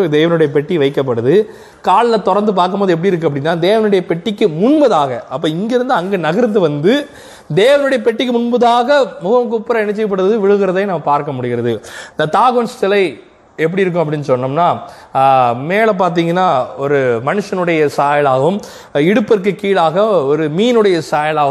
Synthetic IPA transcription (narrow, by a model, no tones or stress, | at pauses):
d̪eːʋɐnɯɽɐjɐpɛʈːiʋɐɪkːɐp̬ːɐɽɯðɯ | kaːɭlɐt̪ɔɾɐɾnd̪ɯp̬aːɾkɯmpoːðɯɛp̬ːɐɽiɪɾɯk̬ːɐp̬ːɐɽɪnːaːd̪eːʋɐnɯɽɐjɐpɛʈːɪkːɯmʊɳbɐðaːɣɐɐp̬ːoːɪŋɡeɾɯnd̪ɯɐŋɡeːnɐɣɐɾnd̪ɯʋɐnd̪ɯ | d̪eːʋɐnɯɽɐjɐpɛʈːɪk̬ːɯmʊɳbɐðaːɣɐmʊɣɐmk̬ʊpːɪɾɐɪɳɐt͡ʃːɪɐpːɐɽɯðɯʋɪɻɯɣɪɾɐðeːnɐmːɐpaːɾkɐmʊɽɪɣɪɾɐðɯɪnd̪ɐt̪aːɣoːnst̪ɐlɐɪ | ɛp̬ːɐɽiɪɾɯk̬ːʊ̃ɐp̬ːɐɽɪnːɯsɔnːɯmnaː | meːlɐp̬aːɾt̪̬iːŋɡɐnːaːɔɾɯmɐnɯʂːɐnɯɽɐjɐsaːjɐlaːɣɐʋɯm | ɪɽɯpːɛɾk̬ːɯkiːɭaːɣɐɔɾɯmiːnɯɽɐjɐsaːjɐlaːɣɐ